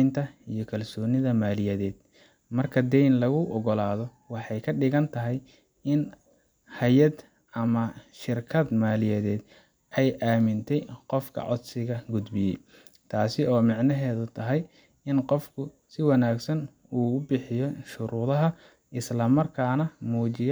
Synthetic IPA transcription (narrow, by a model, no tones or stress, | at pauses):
nt̪ʰɐijɞkʰɐlsɔːnɪðɐmaːlɪjɐðɛːd̪̥ | mɐrkʰɐd̪ɛjnlɐɣʊʔɔɣɔlaːðɔ | wɑħɑjkʰɐɖɪɣɐnt̪ʰɐɦɛj | ɪn | hɐjɐd̪ | ɐmɐʃɪrkʰɐd̪maːlɪjɛðɛːd̪ | ʔɛjʔaːmɪnt̪ʰɛjqɔfkʰɐ̰ʕɔ̰d̪sɪɣɐɡʊd̪bɪjɛj | t̪ʰaːsɪɔːmɪʕnɐɦɛːðʊt̪ʰɐɦɛj | ɪnqɔfkʰʊ | sɪwɑnaːɡsɐn | uːʊbɪħɪjɔʃʊɾuːðɐɦɐ | ʔɪslɐmɐrkʰaːnɐmuːt͡ʃɪj